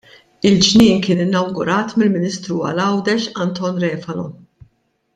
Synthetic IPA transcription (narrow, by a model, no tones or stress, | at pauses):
ɪld͡ʒnɪːnkɪːnɪnːɐwɡʊɾɐːt̪mɪlmɪniːst̪ɾuɐ̰lɐwd̪ɛʃɐnt̪ɔːnɾɛːfɐlɔ̰